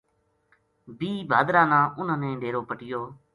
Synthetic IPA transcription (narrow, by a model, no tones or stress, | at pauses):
bʱiːbʱaːd̪ɾãːnãːʔʊnãːnẽːɖʱeːɾoːpəʈɪjoː